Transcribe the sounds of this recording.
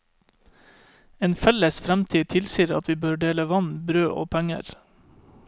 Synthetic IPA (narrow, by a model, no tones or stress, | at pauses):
eːnfɛləsfɾɛmt̪ʰiːt̪ʰɪlsiːɾɑ̰t̪ʰʋiːbøːɖeːləʋɑnbɾøːʔo̰ːpʰæŋə̰ɾ